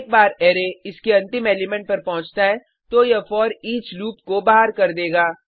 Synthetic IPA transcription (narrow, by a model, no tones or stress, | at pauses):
ek̚baːɾɛːɾeɪskeɐ̃nt̪ɪmɛːlimɛ̃ɳʈ̚pɐɾpɐɦʊ̃t͡ʃt̪aɦɛ̃ | t̪ojɐfɔːɾiːt͡ʃluːpkobaːɦaɾkɐɾd̪eːɡaː